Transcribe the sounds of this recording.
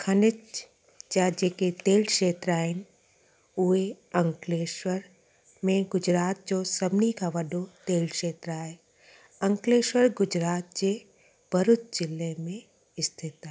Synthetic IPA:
kʰɐnɪt͡ʃ | t͡ʃad͡ʒeːket̪eːlkʃeːt̪ɾaːɦɪn | ue | ɐ̃ŋkleːʃwəɾ | mẽɡʊd͡ʒɾaːt̪̚d͡ʒosɐbnikʰaʋɐɖot̪eːlkʃeːt̪ɾaːe | ɐ̃ŋkleːʃwəɾɡʊd͡ʒɾaːt̪̚d͡ʒe | b̥ɐɾʊt̪d͡ʒɪlːemẽ | ɪst̪ʰɪt̪a

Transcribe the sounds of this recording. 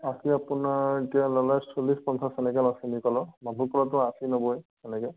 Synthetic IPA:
asiapunaetijalɔlajsolispɔnsasɛnɛkɛnɔsinikɔlɔmabʱukɔlɔt̬ʊ̃asinɔbɔj | ɛnɛkɛ

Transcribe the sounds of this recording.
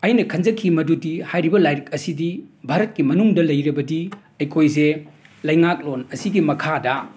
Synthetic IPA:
ɐjnɐkʰɐnd͡ʒɐkʰimɐdudihajɾibɐlajɾk̚ɐsidibʱaɾɐt̚kimɐnuŋdɐlɐjɾɐbɐdi | ɐjkʰojze | lɐjŋak̚lonɐsiɡimɐkʰadɐ

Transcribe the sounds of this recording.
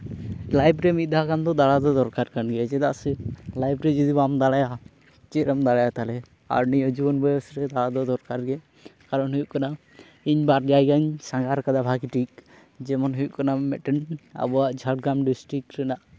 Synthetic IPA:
lajbɾɛmit̪̚d̪ʱakamd̪ɔd̪alad̪ɔd̪ɔɾkaɾkanɡɛd͡ʒɛd̪aʔsɛlajbɾɛd͡ʒɔd̪ibamd̪alaja | t͡ʃɛɾamd̪alajat̪alɛ | a̰ɾniɔd͡ʒubɔnbɔjɔsɾɛd̪alad̪ɔd̪ɔɾkaɾɡɛ | kaɾɔnɦujuʔkana | iɲbaɾd͡ʒajkaɲsaŋɡaɾkad̪abʱaɡiʈik̚ | d͡ʒɛmɔnɦɔjuʔkanamɛʈɛna̰bɔaʔd͡ʒʱaɾʈɡɾamɖisʈɾikɾɛnaʔ

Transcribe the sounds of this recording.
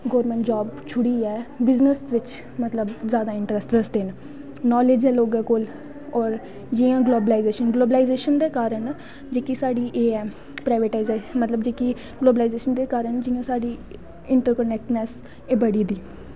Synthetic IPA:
ɡoːɾmɛ̃ːɳʈd͡ʒaːbt͡ʃʰʊɽiːɛːbɪznəsʋɪt͡ʃ | mət̪ləbzjaːd̪aːɪ̃ɳʈɾəsʈd̪əsd̪eːn | nɔːleːd͡ʒɛːloːɡɛːkoːl | ɔːɾ | d͡ʒiːãːɡloːbəlaːɪzeːʃənɡloːbəlaːɪzeːʃənd̪eːkaːɾən | d͡ʒeːkisaːɖiːʔeːɛː | pɾaːɪʋeːʈaːɪzemət̪ləbd͡ʒeːki | ɡloːbəlaːɪzeːʃənd̪eːkaːɾəɳd͡ʒiːãːsaːɖiː | ɪɳʈəɾkənɛk̚ʈnɛːs | eːbəɽiːd̪iː

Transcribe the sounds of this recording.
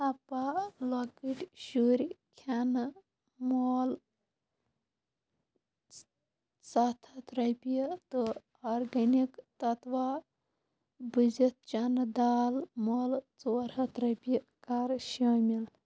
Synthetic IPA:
ɐpalokiʈʲʃuɾikʰan | mol | sat̪ʰɐt̪ɾɐpijt̪o | ɔɾɡɐnikt̪ɐt̪ʋa | bɨd͡ʒɐt̪̚t͡ʃɐnd̪aːlmoːlt͡soɾhɐt̪ɾɐpi | kaɾʃɐmil

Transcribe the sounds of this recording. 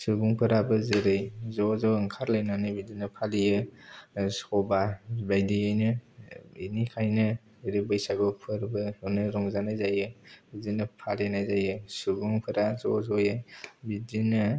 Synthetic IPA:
suɡuŋpʰɯɾabɯzɯɾɯjzɔzɔɯŋkʰaɾlajnanɯbidinɯpʰalijɯ | sɔbabajdijajnɯ | inikʰajnɯ | zɯɾɯjbəjsaɡɔpʰɯɾbɯnɯɾɔŋzanajzajɯbidinɯpʰalenajzajɯsuɡuŋpʰɯɾazɔ̰zɔjɯbidinɯ

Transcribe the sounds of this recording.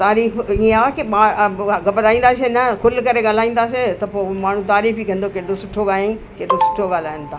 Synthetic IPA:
t̪aːɾiːfĩaːakimaɡɐbəɾaːĩːn̆d̪aːsenɐkʊlkɐɾeɡaːl̤aːĩːn̆d̪aːset̪ɐpoːmaːɳ̤ũt̪aːɾiːfikʰɐ̃nd̪okeːɗosʊʈʰoɡaːlĩ | keːɗosʊ̥ʈʰoɠaːl̤aːjə̃nt̪ʰaː

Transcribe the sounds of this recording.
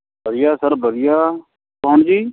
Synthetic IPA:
bʱəɾɪjaːsəɾbʱəɾɪjaː | kɔɦɳd͡ʒiː

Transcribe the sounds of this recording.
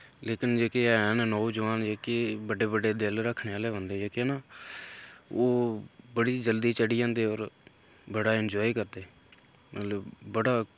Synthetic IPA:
leːkɪnd͡ʒeːkeːɛnnɔːd͡ʒʊʋaːnd͡ʒeːkebəɖeːbəɖeːd̪ɪlɾəkʰːneːaːleːʋə̃nd̪eːd͡ʒeːkenaː | oːbəɽiːd͡ʒəld̪iːt͡ʃəɽiːd͡ʒãːnd̪eːɔːɾ | bəɽaːɪnd͡ʒɔːiːkəɾd̪eː | mət̪ləbːəɽaː

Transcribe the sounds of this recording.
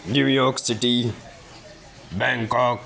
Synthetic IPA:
nujɔɾksiʈi | bɛ̃ŋkɔk

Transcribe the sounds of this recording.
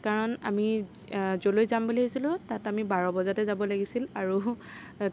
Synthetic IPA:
kaɹɔna̰mi | zolojzambuliɦosilʊ̃tatamibaɹɔbɔzatɛzabɔlaɡisilaɹu

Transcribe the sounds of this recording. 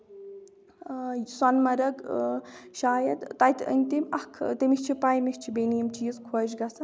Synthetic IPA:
sɐnmɐɾɐɡ | ʃaːjɐd̪t̪ajt̪ʲə̰nʲt̪imʲɐkʰt̪emikt͡ʃʰipajmikt͡ʃʰibenijimt͡ʃiːzkʰoːd͡ʒɡɐsɐ

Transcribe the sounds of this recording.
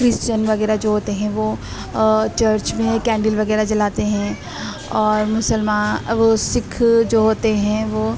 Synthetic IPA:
kɾɪst͡ʃənʋɐɣɛːɾad͡ʒoːɦoːt̪eɦɛ̃ʋoː | t͡ʃəɾt͡ʃmẽkɛ̃ːɳɖɪlʋɐɣɛːɾad͡ʒɐlaːt̪eɦɛ̃ | ɔːɾmʊsəlmaːʋosɪkʰd͡ʒoːɦoːt̪eɦɛ̃ʋoː

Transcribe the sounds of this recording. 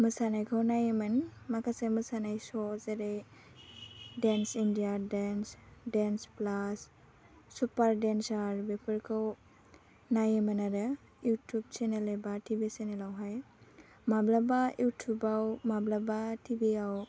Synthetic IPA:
mɯsanajkʰawnajɯmɯnmakʰasemɯsanajsɔzeɾe | densindijadensdensplasː | upaɾdensaɾbepʰəɾkʰaw | najemɯnaɾɯ | jutʰub̚t͡ʃenelebatibisenelawɦaj | mablabajutʰjubawmablabatʰibiaw

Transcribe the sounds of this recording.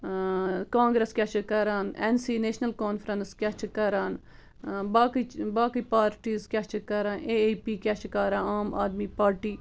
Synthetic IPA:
kãːŋɡɾeskʲjat͡ʃʰkɐɾaːnensiːneːʃnɐlkaːnfʰɾənskʲat͡ʃʰkɐɾaːn | baːkibaːkipaːɾʈiːzkʲat͡ʃʰkɐɾaːneːepiːkʲat͡ʃkaɾãːaːma̰ːd̪miːpaːɾʈiː

